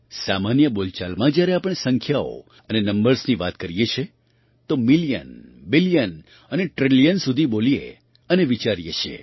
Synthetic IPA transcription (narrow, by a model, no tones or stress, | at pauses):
samanjəbolt͡ʃalmãd͡ʒjaɾeapəɳ̃esəŋkʰjao̰ | ənenəmbəɾsniʋat̪kəɾijet͡ʃʰe | t̪omilijə̰nbilijən | əneʈɾilijənsud̪ʱibolijḛ | əneʋit͡ʃaɾijet͡ʃʰḛ